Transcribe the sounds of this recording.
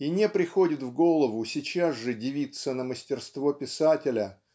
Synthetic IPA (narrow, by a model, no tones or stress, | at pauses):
inʲepɾʲɪxo̞dʲɪt̪vɡo̞lˠəvʊsʲit͡ɕazʐɨdʲɪvʲit̪sənəməsʲtʲɪrst̪vo̞pʲɪsatʲɪlʲə